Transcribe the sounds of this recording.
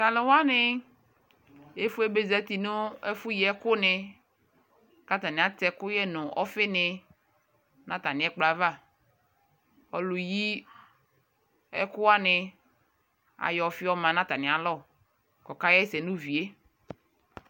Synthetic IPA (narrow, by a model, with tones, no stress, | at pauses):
ka˨lɪ˨wa˦nɪ˦ | e˦fu˦e˦be˨za˦t̪i˨nʊ̃˦ɛ˦fʊ˦ji˨˦ɛ˦kʊ˦nɪ˨ | ka˦t̪a˨nɪ̃˨a˦tɛ˦kʊ˦jɛ˦nʊ̃˨ʔɔ̰˦fɪ˦nɪ˨ | nã˦t̪a˨nɪ̃˨˦ɛ˦k͡pla˨va˦˨ | ɔ˨lʊ˨ji˦ | ɛ̰˦kʊ˦a˦nɪ˨ | a̰˨jɔ˨fɪ˦ɔ˦mã˨nã˦t̪a˨nɪ̃˨a˨lɔ˦˨ | kɔ˨ka˦jɛ˦sɛ˨nũ˦vi˨e˦